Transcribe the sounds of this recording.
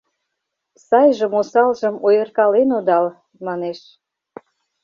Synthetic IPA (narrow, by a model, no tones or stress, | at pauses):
sɑjʒə̆mosɑlʒə̆mojərkɑlenod̪ɑl | mɑneʃ